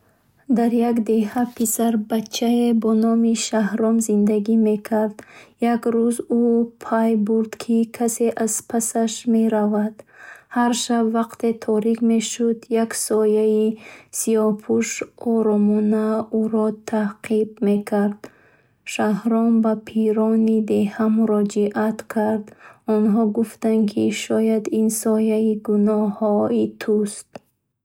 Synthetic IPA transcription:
d̪aɾjaɡd̪e̞hapʰisaɾbat͡ʃʰːaebɔnɔmiʃahɾɔmzind̪aɡime̞kʰaɾd̪̥jaɡɾuzupʰajbuɾd̪kʰikʰase̞ʔaz̥pʰasaʃme̞ɾavad̪̥haɾʃabvaqt̪ʰe̞t̪ʰɔɾikme̞ʃud̪jaksɔjaisiɔpʰuʃɔɾɔmunauɾɔt̪ʰaqʰib̚me̞kʰaɾd̪ | ʃahɾɔmbapʰiɾɔnid̪e̞hamuɾɔd͡ʒiʔat̪kʰaɾd̪ɔnɦɔɡuft̪ankʰiʃɔjad̪insɔjaiɡunɔhɔit̪ʰust̪̚

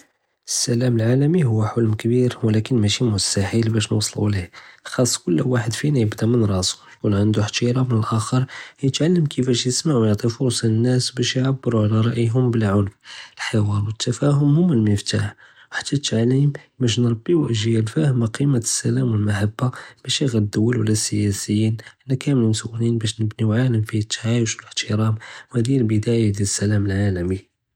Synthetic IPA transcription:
əsːælæməlʕalæmiɦʊwːaħʊlmkəbiɾwlækənmæʃimʊst̪aħilbæʃnə̰wsˤlṵlihxɑsˤːkʊlːwaħəd̪finæjəbd̪æmənɾˤɑsu̥jkunʕənd̪uħt̪iɾˤɑmənəlʔæxəɾˤjət̪ʕalːəmkʰəfæʃjəsmaʕwjɑʕt̪ˤifʊɾsˤɑənːæsbæʃjʕabːəɾuʕlæɾˤɑʔjɦʊmbəlʕʊlfəlħɑwɑɾˤwət̪ːæfæɦʊmhʊmːəlməft̪aħ | wħḁt̪ːæt̪ʕalimbæʃ̬nɾˤɑbːiwʔəʒjælfæhəmaqimasːælæmwəlmaħabːab̥æʃjəɣæd̪ːʊwːəlwəlːæsəjæsəjːinʔənːækʰæməlmʊsuʔlinbæʃ̬nəbniwʕaləmfit̪ʰːaʕajʊʃələħt̪ʰəɾˤɑmwhæd̪ijælbəd̪æjad̪jælsːælæməlʕaləmi

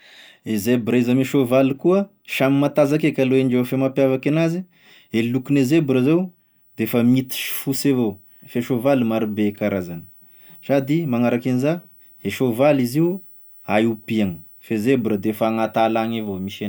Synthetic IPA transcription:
ezebɾaizameʃovalikuə | ʃamimat̪azakekaloenɖ͡ʐewfemapjavakenazi | elukunezebɾəzaw | d̪efəmit̪i̥ʃi̥fusevo | feʃovalimaɾubekaɾazanə̥ | sad̪imaŋaɾakeniza | eʃovaliziu | ajupiaŋə | fezebɾəd̪efəŋat̪alaŋevomiʃen

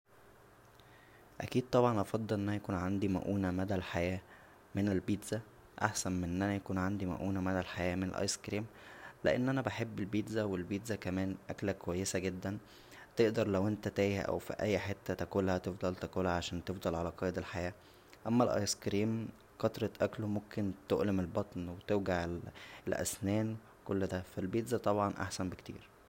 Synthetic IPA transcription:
ʔæ̰kiːd̪̚t̪ˤɑbʕɑnʔɑfɑd̪ˤːelʔenːænæjækuːnʕand̪imæ̰ʔuːnæmæd̪ælħajæː | menelbiːd̪zæ | ʔa̰ħsænmeʔnːʔænæjækuːnʕand̪imæ̰ʔuːnæmæd̪ælħajæːmenḛlʔɑ̰jskɾiːmlḛʔḛnːʔænæbeħebːelbiːd̪zæwelbiːd̪zækæmæːnʔæklækowæjːesæɡed̪ːæn | t̪eʔd̪ɑɾˤlæwʔent̪æt̪æːjæʔæ̰wfḭʔæ̰jːħet̪ːæt̪ækuːlhæt̪efd̪ˤɑlt̪ækuːlæʕaʃæːnt̪efd̪ˤɑlʕalæqɑːjed̪elħajæː | ʔæmːælʔɑ̰jskɾiːm | kɑt̪ɾˤɑʔæklomomkent̪oʔlemelbɑt̪ˤnwet̪eɾɡaʕelelʔæ̰snæːnw | kolːd̪æfælbiːt̪zæt̪ˤɑbʕɑnʔa̰ħsænbekt̪ḭːɾ

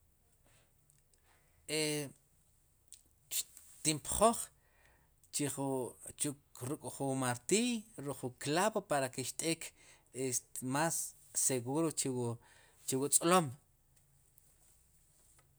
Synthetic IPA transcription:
e | ʃ | t̪impχoχ | t͡ʃiχt͡ʃukɾukʼχumaɾt̪ijɾuχuklaβopaɾakiʃt̪ʼeːk | esmasː | eɣuɾot͡ʃew | t͡ʃewut͡sʼlom

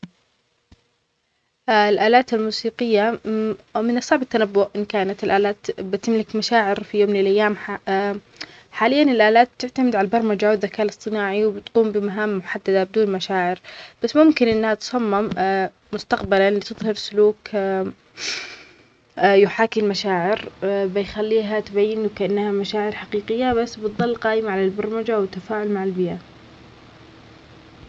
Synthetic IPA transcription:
ʔlʔaːlaːt̪almuːsiːqɪjːa | mɪnɨsˤːɑʕbat̪ːanabːʊʔʔɪnkaːnat̪ɪlʔaːlaːt̪bɪt̪ɪmlɪkmaʃaːʕɪɾfijoːmlɪlʔajːaːm | ħaːlɪjːanɪlʔaːlaːt̪̚b̚t̪ɪʕt̪amɪd̪ʕalabɑɾˤmad͡ʒawɪd̪ðːakaːʔlɨsˤt̪ˤɨnaːʕiwbɪt̪quːmbɪmaɦaːmːʊħad̪ːad̪abɪd̪uːnmaʃaːʕɪɾb̥asːmʊmkɪnʔɪnːhat̪sˤɑmːɪmː | ʊst̪aqbalalit̪ɨðˤhɑɾsʊluːk | jʊħaːkɪmmaʃaːʕɪɾbɪjxalːiːɦat̪bajːɪnwkaʔanːhamaʃaːʕɪɾħaqiːqɪjːabasːbɨt̪ðˤɑlːqɑːʔɪmaʕalalbɑɾˤmad͡ʒawɪt̪ːafaːʕʊlmaʕalbɪja

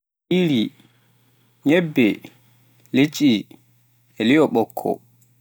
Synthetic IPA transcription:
iɾi | ɲɛbːɛ | let͡ʃʼi | ɛlijɔɓɔkʰːɔ̰

